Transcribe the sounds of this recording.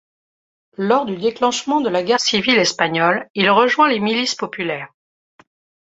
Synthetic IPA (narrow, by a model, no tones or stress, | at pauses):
lɔʁd̪yd̪eklɑ̃ʃmɑ̃d̪əlaɡʲɛʁsivilɛspaɲɔlilʁəʒwɛ̃lemilispɔpylɛːʁ